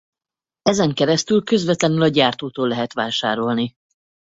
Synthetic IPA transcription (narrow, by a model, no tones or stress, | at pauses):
ɛzɛŋkɛɾɛst̪ylkø̞zvɛt̪lɛnylɒɟaːrt̪oːt̪oːlːɛɦɛt̪ʋaːʃa̰ːɾo̞lni